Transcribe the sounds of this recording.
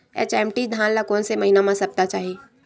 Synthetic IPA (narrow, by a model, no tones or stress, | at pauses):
ḛt͡ʃɛmʈid̪ʱaːnlakonseməɦinamãsɐp̚t̪at͡ʃaːɦi